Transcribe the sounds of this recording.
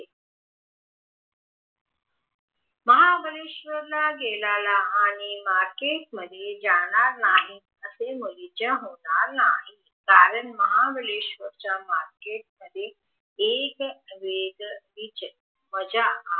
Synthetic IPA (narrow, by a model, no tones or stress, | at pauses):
məɦabəleːʃʋəɾlaɡelaːlaaːɽ̃imaːɾkeːʈməd̪ʱjed͡ʑaɽaɾnaːɦi | əseməɾid͡ʑaɦoːnaɾna̰ːɦi | kaːɾəɳməɦabəleːʃʋəɾt͡ɕamaːɾkeːʈ̚məd̪ʱje | eːkʋeɡʋit͡ɕ | məd͡ʑa